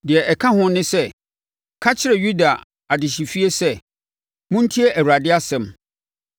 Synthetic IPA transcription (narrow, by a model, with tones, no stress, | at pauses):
dɪ˨ɛ˨ʔɛ˨kʰã˦hʊ̃˦nɪ̃˦sɛ˦ | kʰa˦t͡ɕʰɪ˦ɾɛ˨ɥu˦da˨ | a˨dɪ˨ɕi˨fi˦e˦sɛ˦ | mʊ̃˦n̩˦tʰi˦e˦ʔæ˨ɾa˨dɪ˦a˦sɛ̃˨m